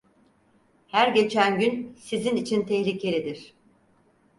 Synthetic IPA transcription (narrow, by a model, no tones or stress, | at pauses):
hæɾɟe̞t͡ʃʰænɟynsizinit͡ʃʰint̪ʰɛhlʲicʰe̞lʲid̪iɾ̥